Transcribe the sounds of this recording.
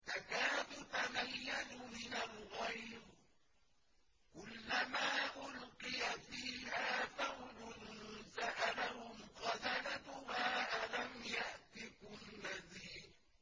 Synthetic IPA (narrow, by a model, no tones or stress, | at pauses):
takaːðʊt̪amajːanʊmɪnalɣajɾ | kʊlːamaːʔʊlqɨjafiːhaːfawlʊnsaʔalahʊmqɑðalad̪ʊhaːʔalamjaʔt̪ɪkʊnːaziː